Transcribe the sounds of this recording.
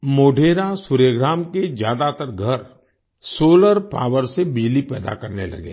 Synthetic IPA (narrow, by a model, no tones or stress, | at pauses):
moːɖʱeːɾasʊɾjəɡɾaːmked͡ʒjaːd̪at̪əɾɡʱəɾ | soːləɾpa̰ːʋəɾsebɪd͡ʒlipɛːd̪a̰kɐɾnḛlɐ̰ɡḛː